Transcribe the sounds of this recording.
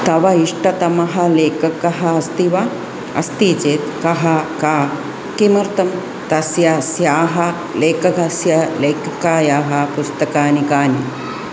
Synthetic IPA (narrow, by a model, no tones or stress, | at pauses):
t̪ɐʋɐiʂʈɐt̪ɐmɐɦɐleːkɐkɐɦɐɐst̪iʋɐ | ɐ̰st̪iːt͡ʃeːt̪kɐɦɐkaː | kimɐɾt̪ɐm | t̪ɐsjasjaːɦɐ | leːkɐɡɐsjɐleːkɐkaːjaːɦɐ̆pust̪ɐkaːnikaːni